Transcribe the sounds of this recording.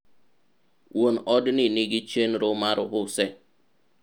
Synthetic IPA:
won̩ʔɔdɪniniɡɪt͡ʃen̩ɾʊmaɾʊ̰ɦʊse

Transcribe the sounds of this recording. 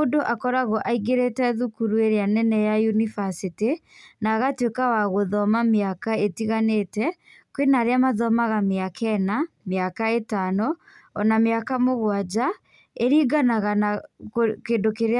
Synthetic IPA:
odoʔakɔɾaɣɔʔaiɡeɾetɛðukuɾueɾeanɛnɛjajunifasitinaɣatwekawaɣoðɔmameakaetiɣanetɛ | kwenaɾeamaðɔmaɣameakɛna | meakaetanɔ | ɔnameakamoɣwad͡ʑa | eɾiːɡanaɣanaokendokeɾe

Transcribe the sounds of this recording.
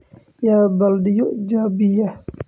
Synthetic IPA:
jabaldijuʔd͡ʒabija

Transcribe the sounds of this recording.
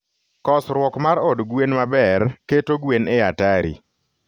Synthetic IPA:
kɔsɾwɔkmaɾɔdɡwenmabɛrketoɡweneataɾḭ

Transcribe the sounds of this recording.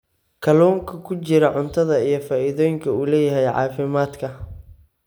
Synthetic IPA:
kʰɐlɔːŋkʰɐkʰʊt͡ʃɪɾɐʕʊnt̪ʰɐðɐijɞfaːʔɪðɔːjɪŋkʰɐuːlɛːjɐɦɛjʕɑ̰ːfɪmaːd̪kʰɐ

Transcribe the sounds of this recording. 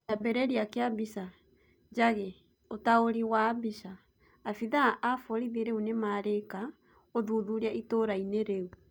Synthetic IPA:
jabɛɾɛɾiakeabisa | d͡ʒaɣɛ | otaoɾiwaːbiʃaː | fiðaʔːfɔɾiðeɾeunemaɾeka | oðuːðuɾiaitoɾaineɾeu

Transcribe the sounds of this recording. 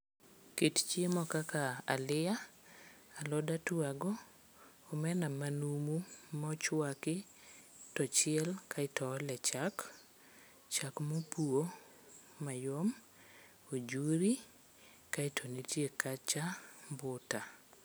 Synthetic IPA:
kett͡ʃemɔkakaa̰lɪa | alɔdatwaɡɔː | mɛnamanumumɔt͡ʃwakɪ | tɔt͡ʃɪɛlkʰaɪtɔlɛt͡ʃak | t͡ʃakmopuo | majom | od͡ʒuɾi | kaitʰɔnitjekat͡ʃambʊta

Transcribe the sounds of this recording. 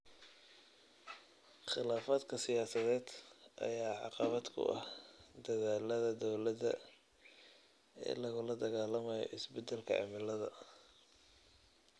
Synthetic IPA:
χɪlaːfaːd̪kʰɐsɪjaːsɐðɛːd̪ʔɐ̰jaːʕɑ̰qɑβɐd̪kʰʊ̰ʔɐ̰hd̪ɐðaːlɐðɐd̪ɔwlɐdɐ̰ | ɛ̰ːlɐɣʊlɐd̪ɐɣaːlɐmɐjɔ̰ʔɪsbɛd̪ɛlkʰɐ̰ʔɐ̰mɪlɐðɐ

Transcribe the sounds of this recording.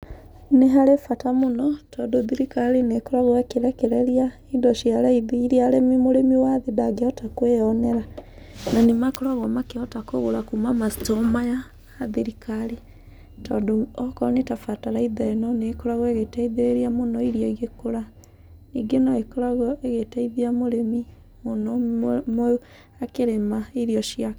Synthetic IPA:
neɦaɾefatamonɔtʰɔdoðiɾikaɾenekoɾaɣwɛkeɾɛkeɾɛɾia | idɔʃiaɾaiðiiɾiaɾemimoɾemiwaðedaɡeɔtakweɔnɛɾa | nanemakoɾaɣɔmakeɔtakoɣoɾakumamastomajaː | ðeɾikʰaɾe | tɔndoɔkɔnetafataɾaiðaɾenɔneːkoɾaɣɔeɣetaiðeɾeɾiamonɔiɾijɔiɣekoɾa | niɡenɔekoɾaɣɔeɣetaiðiamoɾemi | monɔmo | akeɾemaiɾiɔʃia

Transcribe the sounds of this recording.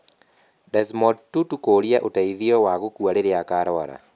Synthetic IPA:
dɛsmɔtutukoɾiaʔotaiðiɔwaɣokuaɾeɾeakaːɾɔɾa̰

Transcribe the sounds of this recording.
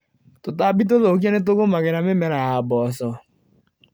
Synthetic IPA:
totabit̬oðokjanet̬oɣomaɣeɾamemɛɾahabɔsɔ

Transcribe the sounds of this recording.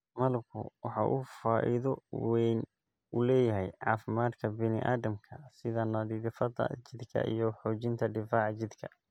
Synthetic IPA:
mɐlkʰʊ̰wɑħɑ̰ʔufaːʔɪ̰ðɔwɛn | ulɛːjɐɦɛjʕɑːfɪmaːd̪kʰɐbɪnɪ̰ʔaːdɐmkʰɐsɪðɐnɐd̪iːɾɪfɐd̪ɐ̰t͡ʃɪd̪kʰɐ̰ʔḭjɔħɔːt͡ʃɪnt̪ʰɐɖɪfaːʕt͡ʃɪd̪kʰɐ

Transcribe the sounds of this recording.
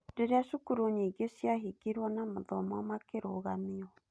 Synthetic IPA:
deɾeaʃukuɾoɲeiɡesijaɦikiɾwɔnamoðɔmɔmakeɾoɣamiɔ

